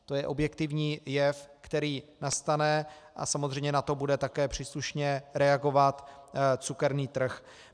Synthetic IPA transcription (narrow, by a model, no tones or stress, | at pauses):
t̪o̞jɛʔo̞bjɛkt̪ɪvɲiːjɛfkt̪ɛɾiːnast̪anɛ | ʔa̰samozrɛjɲɛnat̪o̞budɛt̪akɛːpr̝̥iːsluʃɲɛɾɛaɡo̞vat̪t͡sukɛɾniːt̪r̩x